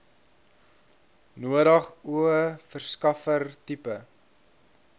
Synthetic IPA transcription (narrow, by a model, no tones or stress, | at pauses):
nuəɾɐχuəfərskɐfərtipə